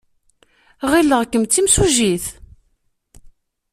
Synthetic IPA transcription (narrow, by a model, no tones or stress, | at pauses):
ʁilːəʁkːəmt͡s̪ːimsuʒiθ